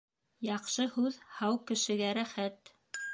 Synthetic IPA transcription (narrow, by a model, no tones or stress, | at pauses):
jɑqʃɤhʉðhɑwkɘ̆ʃɘ̆ɡæɾæχæt̪